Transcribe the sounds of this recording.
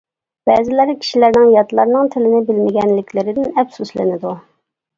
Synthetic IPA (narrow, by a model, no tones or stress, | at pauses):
b̥ɛːzɪlæɾkʲʰi̥ʃilæɾnɪŋjɑt̪lˠɑɾnɨŋt̪ʰɪlɪnɪbɪlmɪɡʲɛnlɪkʲʰlɪɾɪd̪ɪnɛfsuslɪ̰nɪd̪u